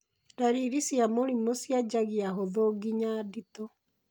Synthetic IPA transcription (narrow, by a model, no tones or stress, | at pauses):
daɾiɾisjamoɾimosjad͡ʑaɣiaɦoðoɡiɲaːditɔ